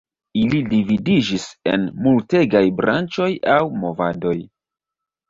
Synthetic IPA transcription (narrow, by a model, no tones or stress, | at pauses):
ilidividid͡ʒise̞̰nmulte̞ɡajbɾʔa̰nt͡ʃo̞jawmo̞vado̞j